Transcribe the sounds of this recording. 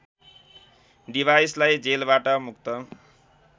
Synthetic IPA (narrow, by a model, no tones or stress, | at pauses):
ɖibʱajslajd͡zelbaʈʌmuk̚t̪ʌ